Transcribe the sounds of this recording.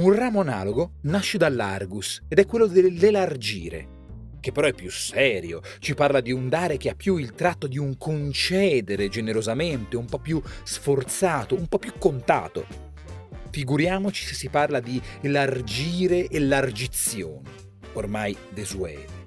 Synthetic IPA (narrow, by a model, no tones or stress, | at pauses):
unraːmoana̰ːloɡonaʃːed̪alːa̰rɡused̪ɛkːwelːod̪elːelard͡ʒḭːɾḛ | k̟epːeɾɔɛpːjusɛːɾjo̰ | t͡ʃiparlad̪iund̪aːɾek̟eapːjuilt̪ɾat̪ːod̪iuŋkʰont͡ʃɛːd̪eɾed͡ʒeneɾozament̪eumpɔpːjusfort̪saːt̪oumpɔpːjukːont̪a̰ːt̪o̰ | fiɡuɾjaːmot͡ʃi̥sesːiparlad̪ielard͡ʒiːɾeʔelard͡ʒit̪sːjo̰ːne | ormajd̪ezuɛ̰ːle